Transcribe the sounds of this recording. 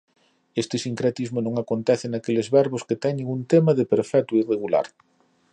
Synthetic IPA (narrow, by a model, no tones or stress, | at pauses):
est̪ɪsiŋkɾet̪izmonõŋakont̪ɛθɪnakelɪzβɛɾβoskɪt̪ɛɲɪŋunt̪emɐðɪpeɾfɛt̪uireɣula̰ɾ